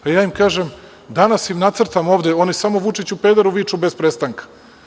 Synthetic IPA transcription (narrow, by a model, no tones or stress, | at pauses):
pajaːimkaːʒem | d̪anasimnat̪sr̩t̪amoːʋd̪eo̞ːnisamoʋut͡ʂit͡ɕupeːd̪aɾuʋiːt͡ʂubespɾest̪aŋkḁ